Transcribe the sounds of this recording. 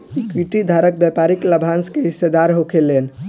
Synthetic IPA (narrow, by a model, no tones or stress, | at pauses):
ikʋiʈid̪ʱaɾək̚bjɛpaɾikləbʱanskeɦised̪aɾɦokʰelen